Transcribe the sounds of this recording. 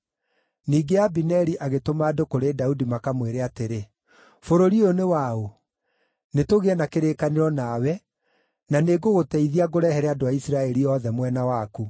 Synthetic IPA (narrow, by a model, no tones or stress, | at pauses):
niːɡeabinɛɾiʔaɣetomaːdokoɾedaudimakamweɾeateɾe | foɾoɾionewao | netoɣeɛnakeɾeːkaneɾɔnaːwɛ | naneɡoɣotɛiðiaɣoɾɛhɛɾɛadoaisiɾaɛɾiɔðɛmwɛnawaːku